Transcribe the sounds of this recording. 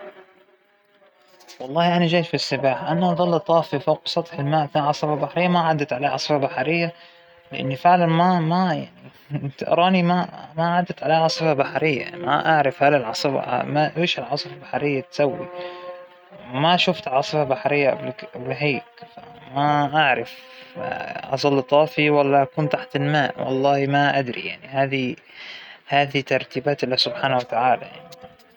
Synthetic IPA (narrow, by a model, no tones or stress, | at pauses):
wɑlˤːɑːhʔanaʒaːʃfisːɪbaːħʔanaʔɑðˤɑlːʔt̪ˤɑːfifawqsˤɑt̪ˤħɪlmaːʔfiʕɑsˤɨfabaħɾɪjːamaʕad̪ːat̪ʕalaʕɑ̰sˤɨfabaħaɾɪjːa | lɪʔɪ̰nːifɪʕlanmama | t̪aʔɾˤɑːnimamaʕad̪ːat̪ʕalaʕɑsˤɨfabaħaɾɪjːa̰a̰a̰ʔaʕɾˤɑfhalɪlʕɑsˤɨa̰maʔwiːʃɪlʕɑsˤɨfabaħaɾɪjːat̪sawːḭ | maʃʊft̪ʕɑːsˤɨfabaħɾɪjːaʔblblɦaːkfamaʔaʕɾˤɪf | ʔɑ̰zˤɑlːt̪ˤɑːfiwalːaʔakuːnt̪aħt̪ɪlmaːʔwɑ̰lˤːɑːhmaʔad̪ɾḭja̰ʕnihaːði | haːðit̪ɑɾˤt̪iːbaːt̪ɪlːasʊbħaːnawat̪aʕaːla̰jaʕni